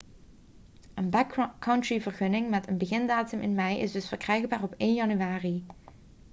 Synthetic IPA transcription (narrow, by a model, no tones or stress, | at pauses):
ʔənbakkːɑntɹivərχɵnɪŋmɛtənbəɣɪndaːtɵmɪnmɛjʔɪ̰zdɵsfəɹkrɛjɣbaːrɔpeːnjɑnyʋaːri